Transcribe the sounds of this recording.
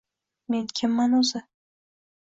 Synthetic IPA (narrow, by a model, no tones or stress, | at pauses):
me̞nkʲʰɪmːanʊzɪ